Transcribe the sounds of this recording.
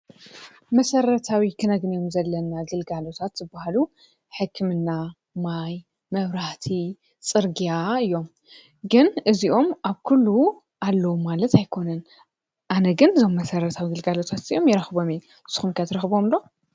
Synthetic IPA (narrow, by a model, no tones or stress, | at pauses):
mɐsɐɾɐt̪ʰawikʰɨnɐɡnjo̞mzɐlːɐnːaɡɨlɡalo̞t̪ʰat̪zɨbːahalu | ħɨkʰːɨmɨnːa | maj | mɐβɾaht̪ʰi | t͡sʼɨɾɡijaɨjːo̞m | ɡɨnʔɨziʔo̞mʔaβkʰulːu | ʔalːɐwumalɐt̪ajkʰo̞nɐn | ʔanɐɡɨnɨzo̞mːɐsɐɾɐt̪ʰawiɡɨlɡalo̞t̪ʰat̪ɨjo̞mjɛɾɐxbo̞meu | sɨxumkʰɐt̪ʰɾɐxbomd̪o̞